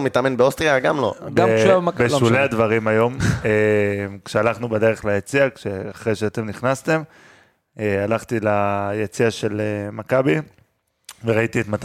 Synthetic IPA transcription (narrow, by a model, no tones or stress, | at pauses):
mitamenbeostʁijaɡamlo̰bbeʃulead̪vaʁimajo̞memkʃealaχnubede̞ʁeχlajet͡siakʃeaχʁejʃeat̪e̞mniχnast̪e̞m | ealaχt̪ilajet͡siaʃelemakabi | veʁait̪iet̪mat̪a